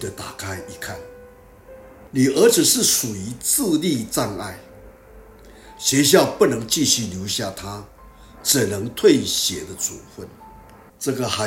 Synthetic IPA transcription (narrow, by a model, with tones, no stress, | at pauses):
d̪ə˦t̪a˨˩kʰa˥ɪi˨˩kʰa˥˩n | ni˨˩ʔə˧˥t͡sʰi˨˩ʂɻ̩˥˩ʂu˨˩i˧˥t͡sɹ̩˥˧li˥˧t͡sa˥˧na̰˥˩ɪ | ɕɥɛ˧˥˦ɕ̬jɑ˥˧ʊpu˥˩nɤ˧˦ŋt͡ɕi˥˧ɕy˥˩ljo˧˥ʊɕja˥˧t̪ʰa˦ | ʈ͡ʂɻ̩˨˩nə˧˦ŋt̪ʰwe˥˩ɪɕjɛ˨˩d̪ə˦t͡sʰṵ˨˩fwə˥˩n | ʈ͡ʂɤ˥˧˩ɡə˨ha˧